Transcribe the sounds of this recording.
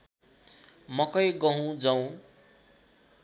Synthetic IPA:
mʌkʌjɡʌɦũd͡zʌw̃

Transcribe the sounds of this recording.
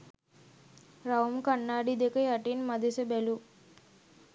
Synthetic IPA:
ɾaumkanːaːɖid̪ekəjaʈinmad̪ʱesebɛlu

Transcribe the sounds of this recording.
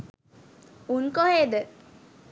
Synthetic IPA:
unkoɦeːd̪ə

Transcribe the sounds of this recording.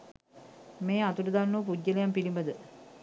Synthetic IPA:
meːat̪uʈəd̪anːuʋp̬uɟːəlejampilimbəd̪ə

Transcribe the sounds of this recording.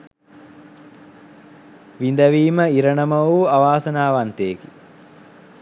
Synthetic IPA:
ʋind̪əʋiːməiɾəɳəmɐuaʋaːsənaːʋant̪eːki

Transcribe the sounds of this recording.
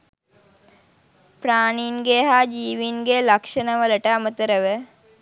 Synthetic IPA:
praːɳinɡeɦaːd͡ʒiːʋinɡeːlɐkʂənəʋələʈəamət̪əɾəʋə

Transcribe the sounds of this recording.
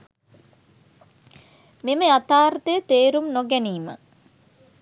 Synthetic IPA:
meməjat̪aːɾt̪əjət̪eːɾumnoɡɛniːmə̰

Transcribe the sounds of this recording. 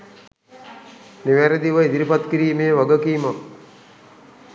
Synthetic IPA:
niʋæɾed̪iʋəid̪iɾipat̪kiɾiːmejəʋaɡəkiːma

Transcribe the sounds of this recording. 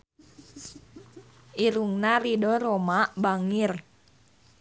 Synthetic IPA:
ʔiɾuŋnaridɔɾomabaŋir

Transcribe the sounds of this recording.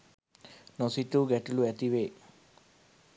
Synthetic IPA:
nosit̪uɡeʈuluet̪iʋe

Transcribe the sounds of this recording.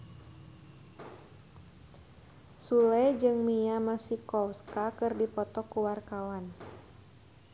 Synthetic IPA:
sulɛd͡ʒɨŋmiamasikɔwskakɨrdipɔt̪ɔkːuwarkawan

